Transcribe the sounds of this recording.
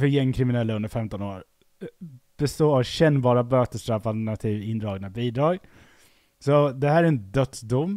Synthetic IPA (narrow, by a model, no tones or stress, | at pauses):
fœɾjɛŋːkʰɾɪmɪnɛlːaɵnd̪əɾfɛmt̪ɔnoːɾ | b̥ɛst̪oːɕɛnːbɑːɾabøːt̪əst̪ɾalfalt̪ɛɳat̪ʰiːvɪnd̪ɾɑːɡnabiːd̪ɾɑːɡ | sɔd̪ɛhæːɾæɾɛnd̪œt̪sd̪ʊmː